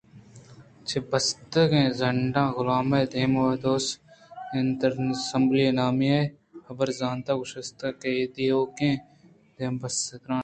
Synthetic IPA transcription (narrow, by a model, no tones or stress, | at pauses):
t͡ʃʰebɐst̪ɐkẽːzɐɳɖãːɣʊlaːmɐːd̪ʱeːmʋɐd̪oːsent̪ɐɾsɐ̃mblijɐnaːmija | hɐbɐɾzãːnt̪aːɡʊʃɐst̪ɐked̪ijoːkẽː | d̪ʱeːmbɐsɐkɾãː